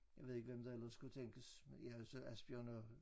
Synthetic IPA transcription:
jɑ̈ɪe̝ðˠeɡ̥əʋemd̥ɑ̈el̰ɐsɡ̥ut͡sʰeŋ̰ɡ̥əsmenjæsɒæsb̥iɒnɒ

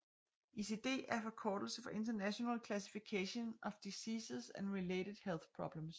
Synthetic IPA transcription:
ise̝d̥e̝̰ːæɐfɒ̽kʰɒːd̥l̩səfɒ̽ʔe̝nd̥ɐnæɕonɛlkʰlæs̬i̥fikʰæɕonɒ̽fd̥isiːsəsænʁileded̥helˠθpʰʁɒ̽b̥ləms

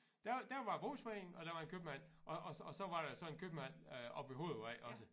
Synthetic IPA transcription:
d̥æɐd̥æɐʋɑ̈b̥ʁo̝̰ːsfeŋ̩ɒ̽ɾ̥ɑʋɑ̈e̝nkʰøb̥əmæn̰ʔɒ̽ɒɒsɒ̽ʋɑ̈ɾɑ̈jsɒ̽e̝nkʰøb̥əmæn̰øʔɒ̽b̥ʋe̝ɦo̝ːðˠaɪʔɒ̽sə

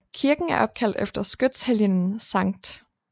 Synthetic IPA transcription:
kʰiɐɡ̥n̩æɐʔɒ̽b̥̚kʰæl̰d̥efd̥ɐsɡ̥ød̥sheljənn̩sɑ̈ŋ̰d̥

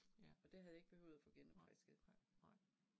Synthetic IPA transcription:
ɒ̽d̥e̝hæðˠjɑ̈eɡ̥̚b̥e̝hø̰ʊ̰ð̩ˠæfɔ̽ɡ̥enmɑsɡ̥enaɪ̰

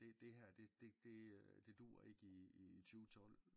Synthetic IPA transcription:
d̥e̝d̥e̝ɦæɐ̰d̥e̝d̥e̝d̥e̝d̥e̝d̥ṵːɐe̝ɡ̥əit͡sʰyːt͡sʰɒ̽l̰

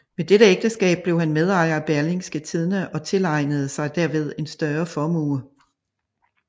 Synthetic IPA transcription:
med̥eɾəeɡ̥d̥əsɡ̥ɛ̰ːb̥̚ːle̝ʊhænmeðˠɑ̈ɪɐb̥æɐleŋsɡ̥ət͡sʰið̞ˠnəʔɒ̽t͡sʰe̝lɑ̈ɪ̰nəð̞̩ˠəsɑ̈ɪd̥æɐ̰ʋe̝ð̞ˠe̝nsd̥ɶɐfɒmṵː

